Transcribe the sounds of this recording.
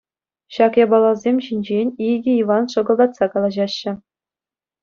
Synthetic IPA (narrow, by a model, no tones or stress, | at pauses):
ɕɑkjɑbɑlˠɑlzʲemʲɕinʲd͡ʑenʲiɡʲɘ̆iʋɑnʂɤ̆ɡɤ̆lˠːɑt̪sɑkɑlˠɑʑɑɕːɘ̆